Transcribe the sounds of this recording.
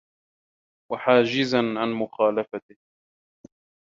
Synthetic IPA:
waħaːd͡ʒɪzanʕanmʊxaːlafat̪ɪh

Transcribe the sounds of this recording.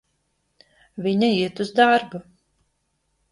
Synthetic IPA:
viɲaiɛt̪uzd̪aɾbu

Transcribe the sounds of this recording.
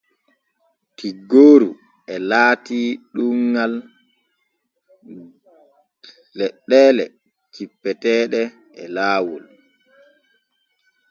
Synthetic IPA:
tʰiɡːoːɾu | ɛlaːtiɗuŋɡal | ɛɗːɛːlɛ | t͡ʃipːɛtɛːɗɛ | ɛlaːwul

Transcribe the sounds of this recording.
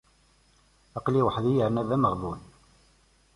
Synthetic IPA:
ɑqliwəħðijəɾnæðæməʁðˤun

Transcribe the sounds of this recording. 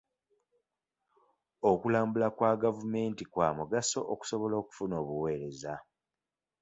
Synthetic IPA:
okulaːmbulakwaːɡavume̞ːntikwaːmuɡaso̞ʔːku̥so̞βo̞lo̞ːku̥funo̞ːβuwe̞ːɾe̞za

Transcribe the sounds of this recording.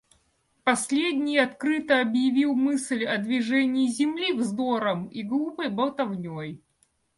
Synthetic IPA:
pɐsʲlʲedʲnʲɪjɐt̪kɾɨt̪əɐbjɪvʲilˠmɨslʲɐd̪vʲɪʐɛnʲɪːzʲɪmlʲivzd̪oɾəmiɡlˠupəjbəlˠt̪ɐvnʲoj

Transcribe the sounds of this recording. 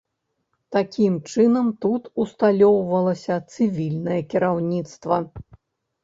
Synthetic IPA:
t̪akʲimt͡ʂɨnɐmt̪ut̪ust̪alʲɔwvɐlˠɐsʲɐt̪sɨvʲilʲnɐjɐkʲiɾawnʲit̪st̪vɐ

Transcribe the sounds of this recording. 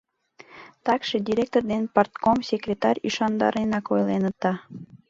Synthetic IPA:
t̪ɑkʃed̪ʲiɾʲek̚t̪ord̪enpɑrt̪komsʲekrʲet̪ɑɾʲyʃɑnd̪ɑ̰ɾenɑkojlenət̪ɑ

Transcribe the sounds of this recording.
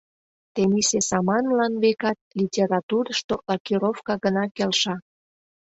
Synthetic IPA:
t̪emisesɑmɑnlɑnβekɑt̪̚lʲitʲeɾɑt̪uɾəʃt̪olɑkiɾofkɑɣənɑkelʃɑ

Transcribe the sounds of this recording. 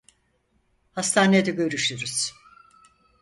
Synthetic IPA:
hast̪ʰaːned̪ɛɟø̞ɾyʃyɾyz̥

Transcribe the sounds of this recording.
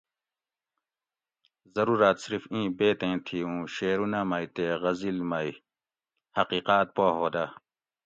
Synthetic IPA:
zɐɾuːɾaːt̪siɾifĩːbeːt̪ẽːt̪ʰiũːɕeːɾunamajt̪eʁɐzilmɐj | hɐqiːqaːt̪̚poːɦoːd̪a

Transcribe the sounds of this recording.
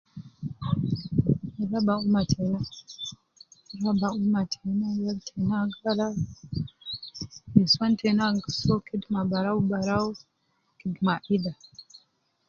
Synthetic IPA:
alabaumatʰena | ɾabaumatʰenajaltʰenaŋɡala | misantʰenaŋɡəsokidmabaɾaubaɾau | kidmaʔida

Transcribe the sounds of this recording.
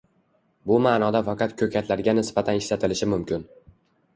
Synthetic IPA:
bʊmaːnɒd̪afɑqʰɑt̪kʲʰɵkʲʰat̪ʰlaɾɡʲanɪsbat̪ʰanɪʃlat̪ʰɪlɪʃɪmʊmkʲʰɪn

